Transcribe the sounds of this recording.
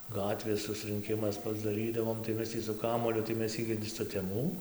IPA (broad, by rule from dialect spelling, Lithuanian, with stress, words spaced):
ˈɡɑːtʲʋʲeːs sʊsrɨŋʲˈkʲɪmɐs pɐzdɐˈrʲiːdɐʋoːm tɐɪ ˈmʲɛs tʲiː sʊ ˈkɑːmuɔlʲʊ tɐɪ ˈmʲɛs ˈɪɡʲɪ sʊtʲɛˈmuː